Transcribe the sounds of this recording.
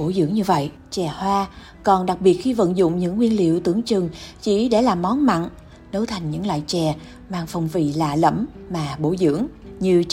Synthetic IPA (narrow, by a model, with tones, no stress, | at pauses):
o˧˩zɨ̰˧˥əŋɲɨ˧və̰˧˨jʔ | t͡ɕɛ˨˩hwaː˧ | kɔ˨˩nɗa˨˩k̚ɓi˨˩ət̚xi˧və̰˧˨nzʊ̰˧˨ŋ͡mɲɨ̰˧˥ŋːwi˧ənlḭ˧˨əwt̪ɨ˧˩əŋt͡ɕɨ˨˩ŋt͡ɕi˧˩ɗe˧˩laː˨˩mːɔ˨˦nma̰ː˧˨n | nə˨˦wt̪ʰa˨˩jŋɲɨ̰˧˥ŋlwa̰ː˧˨jt͡ɕɛ˨˩ | maː˧˨nfə˨˩wŋ͡mvḭ˧˨laː˨˩lə̰˧˥mmaː˨˩ɓo˧˩zɨ̰˧˥əŋɲɨ˧